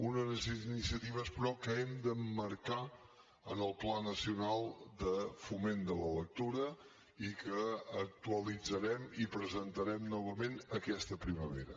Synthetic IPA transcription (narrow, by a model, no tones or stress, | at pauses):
unənəsnisiət̪iβəespɾɔkəɛmd̪əmːəɾka | ənəlˠplanəsiunalˠd̪əfumend̪ələlək̚t̪uɾə | ikəːk̚t̪uəlid͡zəɾɛmipɾəzənt̪əɾɛmnɔβ̞əmenəkɛst̪əpɾiməβḛɾə